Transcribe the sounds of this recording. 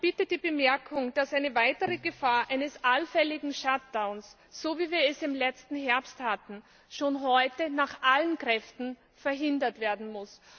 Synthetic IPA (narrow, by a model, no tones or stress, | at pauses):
b̥ɪtəd̥iːbəmɛɐkʰʊŋd̥asʔaɪnəvaɪtəʁəɡəfaːɐʔaɪnəsʔalfɛlɪɡŋ̩ʃat̚d̥aʊnsː | oːviːviːɐɛsɪmlɛt͡stn̩ɦɛɐpsthatn̩ | ʃoːnɦɔʏtənaːχʔalənkʁ̥ɛftn̩ | fɛɐɦɪndɐtv̥eːɐdn̩mʊs